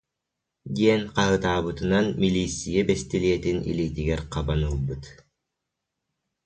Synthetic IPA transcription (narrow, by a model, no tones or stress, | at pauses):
d̪iɛnqɑɦɯt̪aːβɯt̪ɯnanmilʲiːsʲːijɛbɛst̪iliɛt̪inḭliːt̪iɡɛɾqabanɯlˠbɯt̪